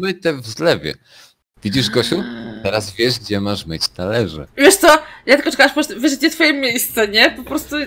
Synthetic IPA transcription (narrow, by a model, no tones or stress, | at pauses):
mɘt̪ɛvzlɛvʲjɛ̰ | vʲid͡ʑiʐɡɔɕut̪ɛɾazvʲjɛʐɡd͡ʑɛmaʂmɘt͡ɕt̪alɛʐɛ̰vʲjɛʂt̪sɔjakt̪ɛkɔt͡ʂɛkawaʂpɔpɔst̪uvʲjɛʂd͡ʑɛft̪fɔjimʲːjejst̪sɛɲɛpɔpɾɔst̪u